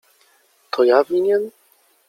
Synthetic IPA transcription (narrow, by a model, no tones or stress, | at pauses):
t̪ʰɔjavʲiɲɛn